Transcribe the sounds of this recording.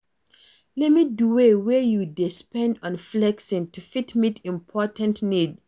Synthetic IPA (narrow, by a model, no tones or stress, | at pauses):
lɛtmiduwewɛjudispɛ̃ndɔ̃nflɛksĩntʰufitmitĩmpʰɔtə̃ntnid